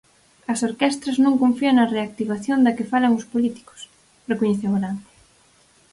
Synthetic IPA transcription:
ɐsoɾkɛst̪ɾɐznõŋkõɱfiɐŋnɐreak̚t̪iβaθjond̪ɐkɪfalɐŋʊspolit̪i̥kʊ̥s | rekoɲeθeɣɾant̪

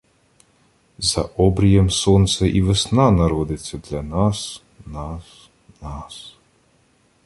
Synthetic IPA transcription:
zɐʔɔbɾʲijɛmsɔnt̪sɛʔiʋɪsnɑnɐɾɔd̪ɪt͡sʲːɐd̪lʲɐnɑs | nɑs | nɑs

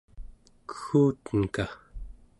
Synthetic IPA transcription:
kə̥xuːt̪ənka

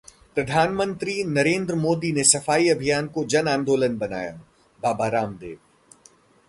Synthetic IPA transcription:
pɾɐd̪ʱaːnmə̃nt̪ɾinɐɾẽːnd̪ɾəmoːd̪inesɐfaːiɐbʱijaːnkod͡ʒɐnãːnd̪oːlənbɐna̰ːja̰ | baːbaːɾaːmd̪ḛːʋ

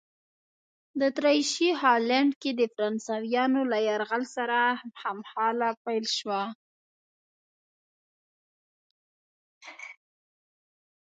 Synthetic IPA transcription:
d̪ət̪ɾɑjʃiɦɑlaɳɖked̪əfaɾɑnsɑwjɑnolajaɾɣalsaɾahamhɑlapajlʃwa

